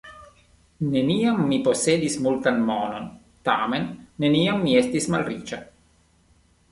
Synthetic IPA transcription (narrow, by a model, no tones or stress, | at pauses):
neniːamːiposːeːd̪ismult̪anmɔːnon | t̪aːmenːeniːamːiɛst̪ismalrḭːt͡ʃa